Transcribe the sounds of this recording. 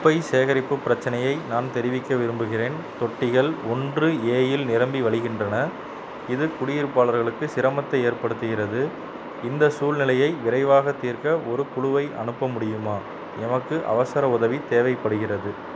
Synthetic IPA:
ʊpːɐɪseːɣɐɾɪpːɯpːɪɾɐt͡ʃːɐnɐjɐɪnaːnt̪ɛɾɪʋɪkːɐʋɪɾɯmbɯɣɪreːn | t̪ɔʈːɪɣɐɭɔndrɯeːjɪlnɪɾɐmbiʋɐɭɪɣɪndrɐnɐ | ɪðɯkʊɽɪjɪɾɯpːaːlɐɾɣɐɭɯkːɯsɪɾɐmɐt̪ːɐeːɾpɐɽɯt̪ːɯɣɪrɐðɯ | ɪnd̪ɐsuːlnɪlɐjɐɪʋɪɾɐɪʋaːɣɐt̪ːiːɾkɐɔɾɯkʊɻʊʋɐɪʔɐnɯpːɐmʊɽɪjɯmaː | ɛmɐkːɯʔɐ̰ʋɐsɐɾɐʊðɐʋit̪eːʋɐɪpːɐɽɯɣɪrɐðɯ

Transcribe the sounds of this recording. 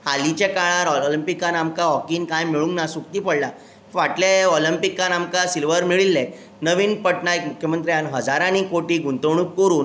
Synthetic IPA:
halit͡ɕekaɭ̃aɾɔlimpikːanamkaɦɔkiːnkãjmiɭũŋɡnasukt̪iːpəɽla | ʋaʈleɔlimpikːanamkasilʋəɾmiɭilːẽ | nəʋiːnpəʈnaek̚mukʰjəmənt̪ɾjanɦəd͡zaɾanikoʈiːɡʱunt̪əʋɳ̃up̚kəɾuːn

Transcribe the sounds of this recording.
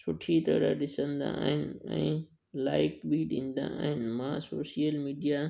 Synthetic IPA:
sʊʈʰit̪ɐɽaɗɪsə̃nd̪ã̰ːɦɪnɪ̆ɛ̰̃ː | laːɪkbiɗĩːnd̪ã̰ʔaːɦɪnmãːsoːsijəlmiːɖijaː

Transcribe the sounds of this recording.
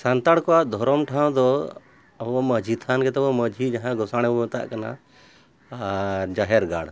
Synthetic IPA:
sant̪aɽkɔaʔd̪ʱɔɾɔmʈʰãw̃d̪ɔ | ɔməd͡ʒʱit̪ʰankɛt̪ɔɔməd͡ʒʱid͡ʒaɦãɡɔsaːɽ̃ɛbt̪a̰ʔkɐna̰ | d͡ʒaɦɛɾɡa̰ːɽ

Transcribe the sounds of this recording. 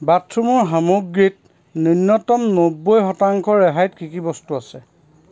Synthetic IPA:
batʰɹumʊɹɦamuɡːɹit̚ | nɔnːɔtɔmnobɔjxɔtaŋkʰɔɹɛɦajtkikibɔstuasɛ

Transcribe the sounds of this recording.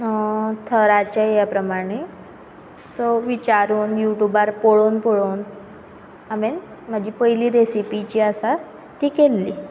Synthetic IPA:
t̪ʰəɾat͡ɕajapɾəmaɽ̃e | soʋit͡ɕaɾuːnjuʈubaɾpoɭoːnpoɭoːn | amen | m̤əd͡ʑʱipəjliɾesipit͡ɕiasa | t̪ikelːi

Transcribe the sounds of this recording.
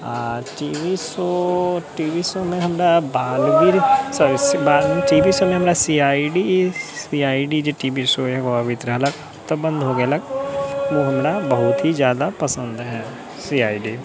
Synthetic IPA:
aʈiːʋisoʈiːʋisomẽɦɐmɽabaːlʋiɾsəbaːlʈiːbisomẽɦɐmɾasiːaːiɖisiːaːiɖid͡ʒeʈiːbisoekoəʋɪt̪ɾəɦɐləɡ | t̪əbə̃nd̪ɦoːɡeɐləɡʋoɦɐmɽabɐɦʊt̪ɦizjaːd̪apɐsə̃nd̪ɦɛ̃ː | siːaːiɖiː

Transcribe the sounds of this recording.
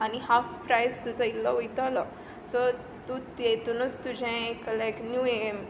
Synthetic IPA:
anihafpɾajst̪ut͡səilːaʋojt̪alə | sɔ | t̪ut̪et̪unət͡st̪ud͡ʑʱẽeklaeknjuem

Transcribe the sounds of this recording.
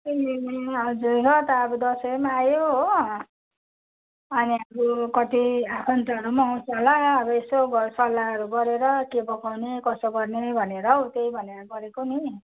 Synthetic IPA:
eɦʌd͡zuɾʌt̪ʌːbud̪ʌsʌjmaːjoɦ | ʌniʌbukʌt̪iakʰʌnt̪aʌɾumʌɦũsʌlaːbʌesoɡsʌlːaɦʌɾuɡʌɾeɾʌkebʌkawnekʌsʌɡʌrnebʱʌneɾʌwt̪ejbʱʌneɾʌɡʌɾekoni

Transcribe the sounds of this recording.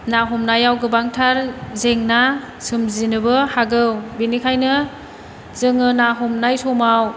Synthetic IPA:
naɦɔmnajawɡɯbaŋtʰaɾzeŋna | sɯmzinɯbɯhaɡɯwbinikʰajnɯ | zɯŋɯnaɦɔmnajtʰɔmaw

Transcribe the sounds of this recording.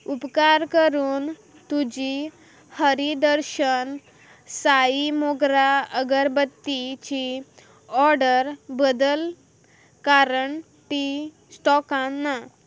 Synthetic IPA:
upkaɾkəɾuːn | t̪ud͡ʑi | həɾid̪əɾɕən | saimoɡɾaəɡəɾbət̪ːit͡ɕi | ɔɾɖəɾbəd̪əl | kaɾəɳ | ti | sʈɔkãnːa

